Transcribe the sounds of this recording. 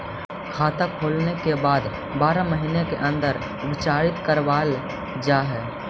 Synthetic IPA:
kʰaːt̪əkʰoːlnekebaːd̪ | baːɾaməɦinekeʔə̃nd̪əɾ | ʋɪt͡ʃaːɾɪt̪kəɾʋaːl | d͡ʒaːɦɛː

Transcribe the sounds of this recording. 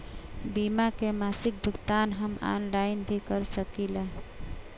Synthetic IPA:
bimakemasik̚bʱəɡt̪anɦəma̰nlaɪnbʱikəɾsəkilaɦ

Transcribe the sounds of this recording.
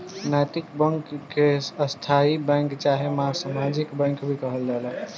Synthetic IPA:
nat̪ikbəŋkːeəst̪ʰaibɛ̃ŋkt͡ʃaɦemãsamad͡ʒikbɛ̃ŋkbʱikəɦəld͡ʒala

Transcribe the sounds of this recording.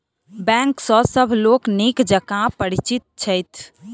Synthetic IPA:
bɛ̃ŋksɔsəbʱloːknekd͡ʒəkãpəɽit͡ʃit̪̚t͡ʃʰəjt̪ʰ

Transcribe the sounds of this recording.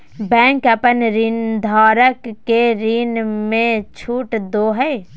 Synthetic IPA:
bɛ̃ːŋkəpənɾiːnd̪ʱaːɾəkːeɾiːnmẽt͡ʃʰuːʈd̪oːɦɛ

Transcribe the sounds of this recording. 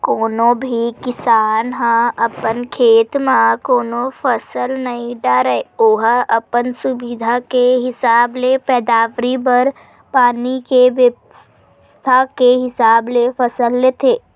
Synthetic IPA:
koːnõbʱikɪsaːnɦãɐpənkʰeːt̪mãkoːnõfʰəsəlnɐɦĩɖaːɾəeoːɦɐpənsʊbɪd̪ʱakeɦɪsaːblepɛːd̪aːʋɾibəɾ | paːnikeʋjə | s | t̪ʰakeɦɪsaːblefʰəsəlːeːt̪ʰeː

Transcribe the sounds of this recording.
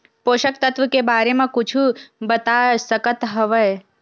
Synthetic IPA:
poʃəkt̪ət̪ʋəkebaɾemãkʊt͡ʃʰubət̪asəkət̪ɦəʋəj

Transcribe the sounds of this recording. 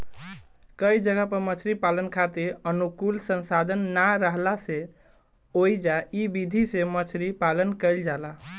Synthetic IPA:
kəid͡ʒəɡapəɾmət͡ʃʰɾipalənkʰat̪eɾənukulsə̃nsad̪ʱənːaɾəɦlase | ojd͡ʒaibid̪ʱisẽmət͡ʃʰɾipalənkəɪld͡ʒala

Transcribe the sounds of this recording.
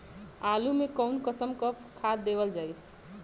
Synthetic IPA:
alumekəʊnkəsəmkəpʰkʰad̪̚ːebəld͡ʒaːj

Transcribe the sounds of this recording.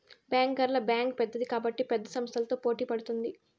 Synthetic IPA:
bjaːŋkɐɾlɐbjaːŋk̚pɛd̪ːɐd̪ikaːbɐʈːipɛd̪ːɐsɐmɐst̪ʰɐlɐt̪o̞ːpo̞ːʈiːpɐɽut̪und̪i

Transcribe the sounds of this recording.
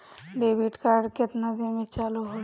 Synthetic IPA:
ɖeːbiʈkaːɾɖkɪt̪nad̪emẽt͡ʃaːluɦo

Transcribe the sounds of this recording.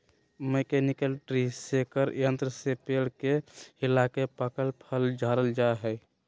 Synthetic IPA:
mekenɪkəlʈɾisekəɾjənt̪ɾəsepeːɽkeɪlakepəkəlpʰəld͡ʒʱaːɾəld͡ʒaeɦɛ

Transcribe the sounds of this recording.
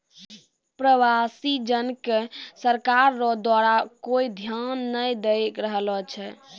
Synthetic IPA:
pɾəwasid͡ʒənkesəɾkaɾːɔd̪waɾakoid̪ʱjanːəjd̪ekɾəɦəlɔt͡ʃʰɛ

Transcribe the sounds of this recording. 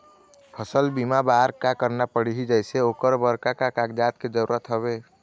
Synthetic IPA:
pʰəsəlbimabaɾkakəɾnapəɽ̤iɦid͡ʒəjseokəɾbəɾkakakaɡd͡ʒat̪̚ked͡ʒəɾuɾət̪ɦəβe

